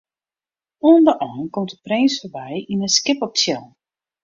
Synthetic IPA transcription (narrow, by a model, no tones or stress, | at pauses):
uəndəʔɔnkɔmtdəprɪnsfəbɛjinəskɪpɔp̚sjɛl